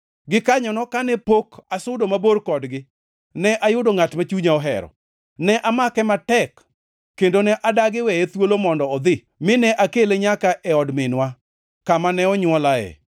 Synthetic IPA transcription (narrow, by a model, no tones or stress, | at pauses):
ɡɪkaɲɔnɔkanɛpokasʊdomaboɾkɔdɡɪ | nɛʔajʊdoŋatmat͡ʃuɲaɔɦɛ̰ɾɔ̰ | nɛʔamakɛmatɛkː | endonɛʔadaɡɪwɛet̪wolomɔndɔɔd̪ɪ | mɪnɛʔakeleɲakaʔɛɔdmɪnwa | kamanɛɔɲwɔlaɛ̰